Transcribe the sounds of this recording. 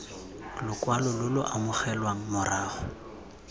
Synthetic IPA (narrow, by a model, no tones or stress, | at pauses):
lʊkwalɔlʊlʊʔamʊχɛlwaŋ̩mʊraːχʊ